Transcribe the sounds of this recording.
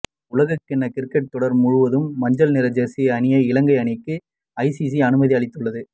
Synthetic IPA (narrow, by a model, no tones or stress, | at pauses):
ʊlɐɣɐkːɪnːɐkɪrkːɛʈ̚t̪ɔɽɐɾmʊɻʊʋɐðɯmːɐɲd͡ʒɐlnɪɾɐd͡ʒɐsiɐnɪjɐɪlɐŋɡɐɪɐnɪkːɯ | ɐɪsis̬iɐnɯmɐðiɐɭɪt̪ːɯɭːɐðɯ